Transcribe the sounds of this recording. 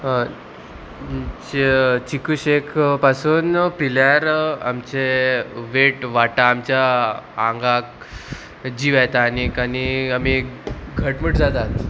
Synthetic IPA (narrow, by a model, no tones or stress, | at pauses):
t͡ɕikuɕekʰpasuːnpiljaɾa̰mt͡ɕeʋeʈʋaʈaːmt͡ɕjaaŋɡak̚ | d͡ʑiʋajt̪aːnikaniamikɡʱəʈməʈd͡zat̪at̪